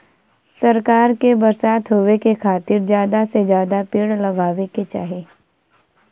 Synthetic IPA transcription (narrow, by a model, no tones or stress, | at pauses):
sɐɾkaːɾkebɐɾsaːt̪ɦoʋekekʰaːt̪ɪɾzjaːd̪asezjaːd̪apɪːɽlɐɡʱaːʋeket͡ʃaːɦeː